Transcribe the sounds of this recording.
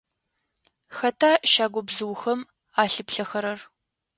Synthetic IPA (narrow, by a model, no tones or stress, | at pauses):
xɐtʰaːʃaːɡʷɔbzɨwxɐm | aːɬɨpɬɐxɐɾɐr